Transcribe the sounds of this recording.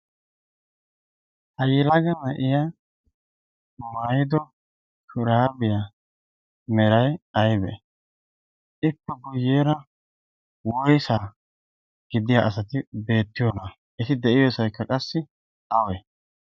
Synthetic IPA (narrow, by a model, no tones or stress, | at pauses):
hɐjɛlaɡɐnɐʔɪja | maːjɪd̪ɔ | t̪ʰʊɾaːbɪja | mɛɾɐjɐjbɛ̰ | ʔɪpːɛbʊjːeːɾɐ | wɔjsaː | ɡ̥ɪd̪ɪjaʔɐsɐt̪ɪbe̞ːt̪ːɪjɔːnɐ | ʔɛt̪ɪd̪ɛʔɪjoːsɐjkːɐkʼɐsːɪ | ɐwɛ